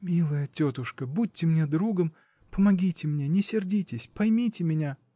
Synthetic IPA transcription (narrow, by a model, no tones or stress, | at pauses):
mʲilˠəjətʲot̪ʊʂkəbut̚ʲːɪmnʲed̪ɾuɡəm | pəmɐɡʲitʲɪmnʲenʲɪsʲɪrdʲitʲɪsʲpɐjmʲitʲɪmʲɪnʲa